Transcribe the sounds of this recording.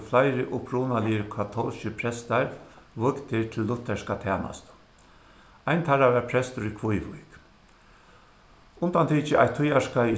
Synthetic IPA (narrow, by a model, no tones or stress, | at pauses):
flajɾɪʔʊpɾuːnalɪjɪɾkʰat̪ʰɔlsʃkəpʰɾɛst̪aɹʋʊkt̪ɪɾt̪ʰɪlːʊt̪ːɛʂkat̪ʰɛːna̰st̪ | ajnt̪ʰaɾavɛɾpʰɾɛst̪ʊɾikʰvʊjʋʊjk | ʊnt̪ant̪ʰiːt͡ʃɪʔa̰jt̪ʰujaʂkai